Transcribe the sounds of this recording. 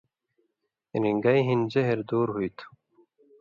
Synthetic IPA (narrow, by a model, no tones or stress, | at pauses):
ɾiŋɡajɦind͡ʑeɦeɾd̪oːɾɦujt̪ʰ